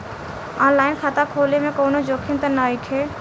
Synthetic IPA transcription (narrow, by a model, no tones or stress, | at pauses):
aːnlaːɪnkʰaːt̪akʰoːlemẽkoːnod͡ʒoːkʰɪnt̪ənaɪʈʰe